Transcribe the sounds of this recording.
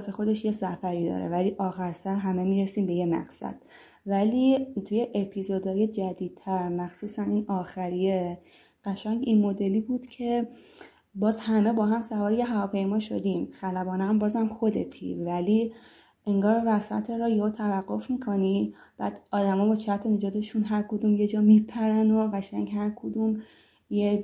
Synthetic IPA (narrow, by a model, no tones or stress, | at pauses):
zexo̞d̪e̞ʃjesæfæɾiːd̪ɒ̰ːɾḛvæliːʔɒːxæɾsæɾɦæme̞miːɾesiːmbe̞jemæ̰ɡsæ̰d̪̥ | væliːt̪ʰujeʔepʰizod̪ɒːjed͡ʒæd̪iːd̪̚t̪ʰæɾmæxsuːsæniːnɒːxæɾije | ɢ̥æʃæŋɟinmod̪e̞liːbuːd̪̥cʰe̞ | bɒːzhæme̞bɒːɦæmsævɒːɾjeɦævɒːpʰejmɒːʃo̞̰d̪iːmxælæbɒːneæmbɒːzæmxo̞d̪et̪ʰḭvæliː | eŋɡɒːɾːæsæ̰t̪ʰeɾɒjot̪ʰævæɡːo̞fmiːkʰo̞ni | b̥æ̰ːd̪̥ɒːd̪æmɒːbɒt͡ʃʰæt̪ʰened͡ʒɒːt̪ʰe̞ʃunɦæɾkʰod̪uːmje̞d͡ʒɒːmipʰæɾænoɣæʃæŋhæɾkʰod̪um | je